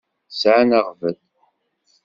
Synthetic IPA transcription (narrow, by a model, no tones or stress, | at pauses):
sʕanaʁvəð